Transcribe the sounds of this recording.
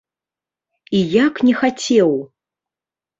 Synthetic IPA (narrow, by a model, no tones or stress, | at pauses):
ijaknʲɛxat͡sʲɛw